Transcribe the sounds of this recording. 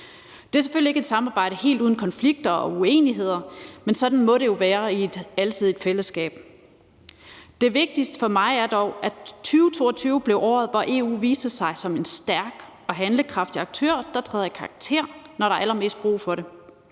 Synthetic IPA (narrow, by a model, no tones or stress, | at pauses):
d̥e̝æɐsefølie̝ɡ̥e̝d̥sɑ̈mɑ̈ːb̥ɑ̈ɪ̰ɾ̥əhe̝̰ːld̥uːð̞ˠn̩kʰɒ̽nfliɡ̥̚d̥ɐɒ̽uḛːniɦe̝ð̞̰ˠɐmensɒ̽d̥n̩mɒ̽ɾe̝jo̝ʋæːɐied̥ælt͡sʰið̰ˠe̝d̥fel̰əsɡ̥ɛ̰ːb̥̚ | d̥e̝ʋe̝ɡ̥̚d̥isd̥ə̥fɒ̽mɑ̈ɪæɐd̥ɒʊ̰æt͡sʰyːʊt͡sʰo̝̰ːɒ̽t͡sʰyːʊb̥le̝ʊɒ̰ːð̩ˠʋɒʔe̝̰ːṵːʋiːsd̥əsɑ̈ɪsɒ̽me̝nsd̥æɐɡ̥ | ɒ̽ɦænləkʰʁɑ̈fd̥iɑ̈ɡ̥̚t͡sʰø̰ːɐ̰d̥ɑ̈t͡sʰʁɛ̰ːðˠjækʰɑ̈ʁɑɡ̥̚t͡sʰe̝̰ɐ̰nɒɾ̥ɑ̈ɑælɐme̝̰ːsd̥̚b̥ʁṵːfɒ̽ɾe̝